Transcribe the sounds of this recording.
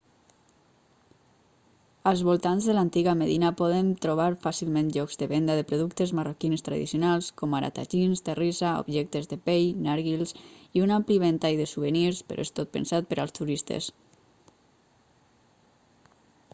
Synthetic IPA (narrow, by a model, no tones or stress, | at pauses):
əlˠzβolˠt̪anzðəlant̪iɣameðinapɔðənt̪ɾuβ̞aɾfasilˠmẽnʎɔkzðəβend̪aðəpɾoðukt̪ezmarokinst̪ɾa̰ðḭsiunalˠskɔmaɾa̰t̪a̰tinst̪erizaṵbʒɛk̚t̪ezðepejnaɾɣilˠsiunampliβent̪ajðəsuβəniɾspə̰ɾo̰est̪ot̪̚pə̰nsat̪̚pəɾalˠst̪uɾist̪ḛs